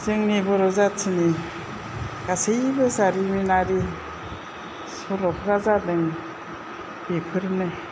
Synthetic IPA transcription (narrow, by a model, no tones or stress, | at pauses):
zɯŋnibɔɾɔzatʰini | ɡ̥asejbɯzaɾiminaɾi | sɔlɔpʰɾazadɯŋ | b̥epʰɯɾnɯ